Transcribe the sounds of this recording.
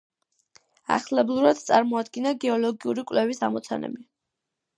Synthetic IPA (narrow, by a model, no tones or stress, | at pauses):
a̰χlɛblˠuɾad̪̥̚t̪sʼaɾmɔad̪ɡinaɡɛɔlɔɡiuɾikʼwlɛvisa̰mɔt̪sʰa̰nɛ̰bi